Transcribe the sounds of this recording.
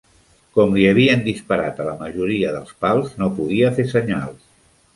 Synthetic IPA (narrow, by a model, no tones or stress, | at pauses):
kɔmliəβ̞iənd̪ispəɾat̪ələməʒuɾiəðəlˠspalˠznopuðiəfesəɲalˠs